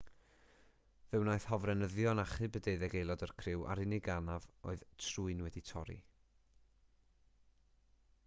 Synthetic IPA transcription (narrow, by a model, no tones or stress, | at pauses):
vɨwnaɨθhɔvrɛnəðjɔnaχɨbədeɨðɛɡejlˠɔdərkʰrɪwʔa̰ɾɪnɪɡanavo̰ɨð̥tʰruɨnwɛditʰɔɾḭ